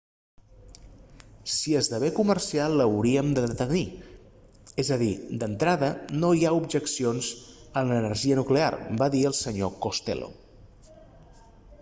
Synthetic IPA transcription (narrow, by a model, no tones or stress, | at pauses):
siəzðəβekumərsialˠəwɾiəmd̪əðət̪əni | ezəðid̪ənt̪ɾaðənojaubʒəksionzənlənəɾʒiənuklea̰rbaðiəlˠsəɲokost̪ḛlo̰